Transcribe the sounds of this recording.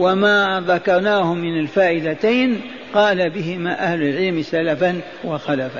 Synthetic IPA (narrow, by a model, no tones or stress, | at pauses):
wamaːðakɑɾˤnaːhʊmːɪnalfaːʔɪd̪at̪aːn | qɑːlabɪɦɪmaːʔahlʊlʕɪlmsalafan | waxalafa